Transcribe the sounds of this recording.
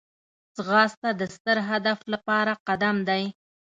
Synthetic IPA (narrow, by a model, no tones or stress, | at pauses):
zɣɑst̪ad̪əst̪əɾɦad̪aflapɑɾaqad̪amd̪aj